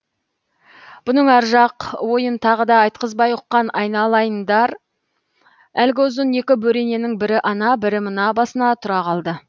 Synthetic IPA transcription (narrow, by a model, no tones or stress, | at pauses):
b̥ʊnəɴɑɾʒɑqwo̞jənt̪ʰɑʁəd̪ɑɑjt̪̚qəzbɑjʊqːɑnɑjnɑlˠɑjənd̪ɑɾ | ælɡʲɪʊzəne̞kʲɪbɵɾe̞ne̞nɪŋbɪɾɪʔɑnɑbɪɾɪmənɑbɑsənɑt̪ʰʊɾɑqɑlˠd̪ə